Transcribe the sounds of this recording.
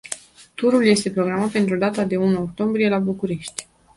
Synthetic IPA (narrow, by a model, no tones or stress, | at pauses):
t̪uɾulje̞st̪e̞pɾo̞ɡɾamat̪̚pe̞nt̪ɾud̪at̪ad̪e̞unuok̚t̪o̞mbɾije̞labukuɾe̞ʃt̪ʲ